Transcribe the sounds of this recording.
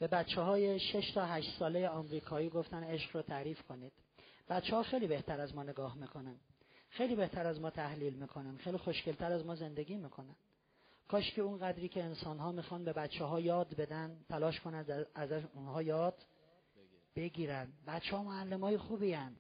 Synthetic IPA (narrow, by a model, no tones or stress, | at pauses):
b̥e̞bæt̪t͡ʃʰːeɦɒːjeʃeʃt̪ʰɒːɦæʃt̪sɒːlejeɒːmɾiːkʰɒːiːɡo̞ft̪æne̞ʃɡɾɒːt̪ʰæɾiːfkʰo̞niːd̪̥ | b̥æt̪t͡ʃːehɒːxejliːbe̞ht̪ʰæɾæzmɒːne̞ɡɒːhmiːkʰo̞nænd̪ | xejliːbe̞ht̪ʰæɾæzmɒːt̪ʰæhliːlmiːkʰo̞nænxejlixo̞ʃcelt̪ʰæɾæzmɒːze̞nd̪e̞ɡʲiːmiːkʰo̞nænd̪ | kʰɒːʃcʰiunɢæd̪ɾiːcʰeːnsɒːnɦɒːmixɒːnbe̞bæt̪t͡ʃʰːeɦɒːjɒːd̪be̞d̪ænd̪t̪ʰælɒːʃkʰo̞nændæzæʃunhɒːjɒːd̪̥ | be̞ɡiːɾænd̪bæt̪t͡ʃʰːɛhɒːmoælːemɒːjexuːbiːænd̪̥